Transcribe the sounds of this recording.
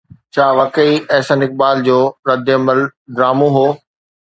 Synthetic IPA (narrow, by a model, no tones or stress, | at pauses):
t͡ɕʰaːʋɐkəiɛːsənɪk̚baːld͡ʑoːɾɐd̪ɪɐməld̪ɾaːmõɦoː